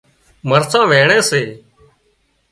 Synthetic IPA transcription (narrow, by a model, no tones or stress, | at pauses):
məɾsãːʋeːɳẽːseː